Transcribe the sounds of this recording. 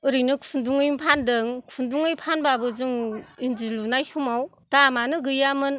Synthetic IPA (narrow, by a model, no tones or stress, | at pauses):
ɯɾijnɯkʰunduŋɯjmpʰandɯŋkʰunduŋɯjpʰanbabɯzɯŋind͡ʒilunajsumaw | tamanɯɡɯjamɯn